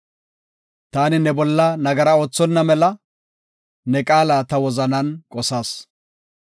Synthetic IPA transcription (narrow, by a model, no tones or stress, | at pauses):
t̪aːnɪnɛbɔlːɐnɐɡɐɾɐo̞ːt͡sːɔnːɐmɛlɐ | nɛkʼaːlaːt̪ɐwɔzɐnɐnkʼɔsaːs